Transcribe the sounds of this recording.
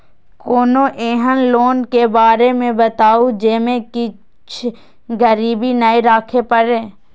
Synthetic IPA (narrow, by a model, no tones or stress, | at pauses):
koːnoʔeːɦənloːnkebaːɾemẽbɐt̪aːud͡ʒeːmẽkɪ | t͡ʃʰ | ɡəɾiːbinaiɾaːkʰepəɾẽː